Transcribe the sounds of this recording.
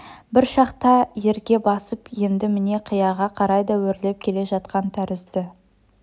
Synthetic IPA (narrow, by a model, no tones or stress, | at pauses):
bɪɾʃɑqt̪ɑje̞ɾɡʲe̞bɑsəpje̞nd̪ɪmɪne̞qʰijɑʁɑqʰɑɾɑjd̪ɑwɵɾle̞p̚kʲʰe̞le̞ʒɑt̪qɑnt̪ʰæɾɪzd̪ɪ